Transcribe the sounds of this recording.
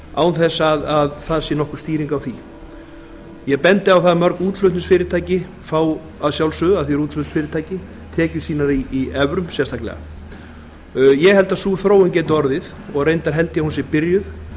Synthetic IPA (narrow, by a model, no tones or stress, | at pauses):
a̰ːwθɛsaðaðθaðsjɛnɔhkʏɾ̥st̪iːɾiŋkawθi | jɛɣpɛnt̪ɪawθaðmœɾkuːt̪lœht̪nʏsfɪːɾɪt̪ʰaːjcɪ | faːw | aðsjawlsʏðaðθiɛɾuːt̪lœt̪sfɪːɾɪt̪ʰaːjcɪ | t̪ʰɛːcʏsiːnaɾiːɛvɾʏmsjɛst̪ʰaklɛ̰ɣa̰ | jɛɣhɛlt̪aðsuːθɾoːwɪncɛːt̪ʏɔɾðɪð | ɔɣrejnt̪aɾ̥ɦɛlt̪ɪjahunsjɛɾpɪɾjʏð̥